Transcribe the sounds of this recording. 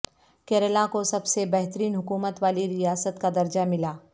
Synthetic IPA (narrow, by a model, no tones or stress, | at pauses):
kɛːɾəlakosɐbsebɛɦt̪əɾiːnɦʊkuːmət̪ʋaːliɾijaːsət̪kad̪ɐɾd͡ʒamɪlaː